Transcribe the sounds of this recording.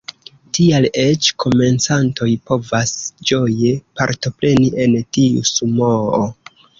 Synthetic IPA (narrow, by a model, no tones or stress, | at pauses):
tiale̞t͡ʃkʰo̞me̞nt͡santo̞jpo̞vasd͡ʒo̞je̞paɾto̞pɾe̞niʔentiṵsumoo